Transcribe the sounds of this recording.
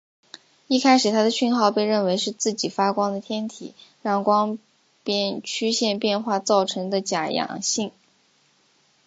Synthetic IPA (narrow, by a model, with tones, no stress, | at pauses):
i˥˩kʰa˥ɪʂɻ̩˨˩t̪ʰa˥d̪ə˨˧ɕy˥˧nxɑ˥˧ʊpe˥˧ɪɻə˥˩nwe˧˥ɪʂɻ̩˥˧t͡sɹ̩˥˩t͡ɕi˨˩fa˥kwɑ˥ŋd̪ə˨t̪ʰjɛ˥nt̪ʰḭ˨˩˦ɻɑ˥˩ŋkwɑ˥ŋ | pjɛ˥˧nt͡ɕʰy˥ɕjɛ˥˧npjɛ˥˧nxwa˥˧t͡sɑ˥˩ʊʈ͡ʂʰɤ˧˥ŋd̪ə˧t͡ɕja˨˩jɑ̰˨˩ŋɕi˥˩ŋ